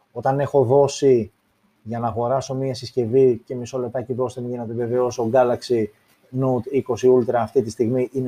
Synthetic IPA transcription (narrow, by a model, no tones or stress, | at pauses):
o̞t̪ɐne̞xo̞ðo̞si | ʝɐnɐːɣo̞ɾɐso̞miɐesisce̞vice̞miso̞le̞p̚t̪ɐciðo̞sðemʝinet̪eve̞veo̞soɡɐlɐksi | nut̪iko̞siult̪ɾɐːft̪it̪ist̪iɣmiʔine